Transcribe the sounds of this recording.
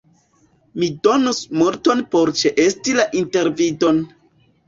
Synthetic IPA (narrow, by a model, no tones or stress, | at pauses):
mido̞nusmuɾto̞npo̞ɾt͡ʃeʔestilaʔinte̞ɾvido̞n